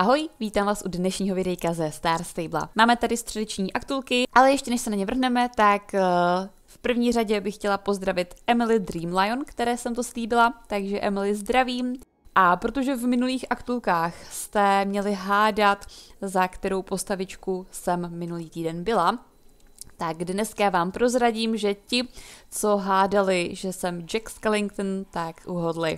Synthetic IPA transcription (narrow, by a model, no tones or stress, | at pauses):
ʔaɦo̞jviːt̪aːmvaːsʔudnɛʃɲiːɦo̞vɪdɛjkazɛst̪aːɾst̪ejbla̰maːmɛt̪adɪst̪r̥ɛdɛt͡ʃɲiːʔakt̪ulkɪʔalɛjɛʃcɛnɛʃsɛnaɲɛvr̩ɦnɛmɛt̪ak | fpr̩vɲiːr̝aɟɛbɪxcɛlapo̞zd̪ɾavɪt̪ʔɛmɪlɪd̪ɾiːmlajonkt̪ɛɾɛːsɛmt̪o̞sliːbɪlat̪aɡʒɛʔɛmɪlɪzd̪ɾaviːm | ʔapɾo̞t̪o̞ʒɛvmɪnuliːxʔakt̪ulkaːxst̪ɛmɲɛlɪɦaːdat̪zakt̪ɛɾo̞wpo̞st̪avɪt͡ʃkusɛmːɪnuliːt̪iːdɛnbɪla | t̪aɡdnɛskavaːmpɾo̞zɾaɟiːmʒɛcɪt͡so̞ɦaːdalɪʒɛsɛmd͡ʒɛkskɛlɪŋk̚t̪nt̪akʔuɦodlɪ